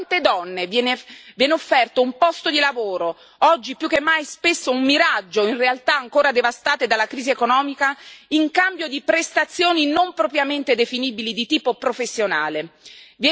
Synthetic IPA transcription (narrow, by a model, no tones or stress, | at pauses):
nt̪ed̪ɔnːevjɛːnevjɛːneofːɛrt̪oumpɔst̪od̪ilavoːɾo | ɔd͡ʒːipjuk̟ːemːajspesːoumːiɾad͡ʒːoinrealt̪aːŋkoːɾad̪evast̪aːt̪ed̪alːakɾiːziekonɔːmikaiŋkambjod̪ipɾest̪at̪sːjoːninompɾopɾjament̪ed̪efiniːbilid̪it̪iːpopɾofesːjonaːlevjɛ